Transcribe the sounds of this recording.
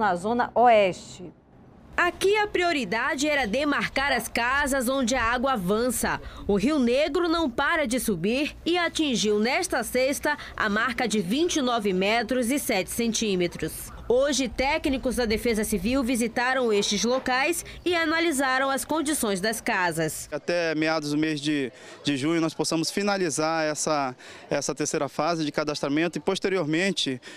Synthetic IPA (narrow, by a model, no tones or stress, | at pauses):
ɐzõnɐʔɔɛst͡ʃɪ | akiɐpɾioɾid̪ad͡ʒɪɛɾɐd̪emaɾkaɾɐskazɐzõnd͡ʒɪɐaɡwɐːvɐ̃sɐʊɦiwneɡɾʊnɐ̃w̃paɾɐd͡ʒɪsubiɾɪat͡ʃĩʒiwnɛʃt̪ɐsest̪ɐ | a̰maɾkɐd͡ʒɪvĩnt͡ʃɪnɔvɪmɛt̪ɾʊzɪsɛt͡ʃɪ̥sẽnt͡ʃĩmet̪ɾʊs | oʒɪt̪ɛknikʊzd̪ɐd̪efezɐsiviwvizit̪aɾɐ̃w̃eʃt͡ʃɪzlokajsɪanalizaɾɐ̃w̃ɐskõnd͡ʒisõj̃zd̪ɐskazɐsat̪ɛmead̪ʊzd̪ʊmezd͡ʒɪ | d͡ʒɪʒũɲʊnɔsposɐ̃mʊsfinalizaɾɛsɐɛsɐt̪eɾsejɾɐfazɪd͡ʒɪkad̪aʃt̪ɾamẽnt̪ʊɪpoʃt̪eɾioɾmẽnt͡ʃɪ